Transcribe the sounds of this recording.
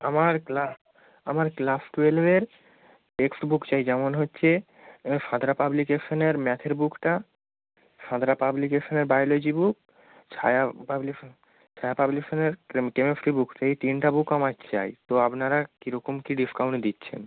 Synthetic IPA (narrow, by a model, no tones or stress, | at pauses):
amaɾkla | amaɾklafʈuelbeɾ | ʈeksʈbukt͡ɕajd͡ʑɛmonɦotːɕʰe | ʃãd̪ɾapablikeʃoneɾmɛt̪ʰeɾbukʈa | ʃãd̪ɾapablikeʃoneɾbajlod͡ʑibuk̚ | t͡ɕʰajapabli | t͡ɕʰajapabliʃoneɾkemefɾibukʈaijt̪inʈabukamakt͡ɕa̰jt̪oapnaɾakiɾɔkomkiɖiskawɳʈd̪itːɕʰḛn